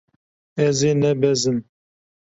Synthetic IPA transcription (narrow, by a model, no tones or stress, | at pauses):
ɛzeːnɛbɛzɨn